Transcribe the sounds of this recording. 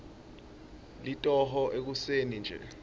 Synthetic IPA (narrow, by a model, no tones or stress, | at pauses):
litʼɔɦɔʔek̬usenind͡ʒʱɛ̰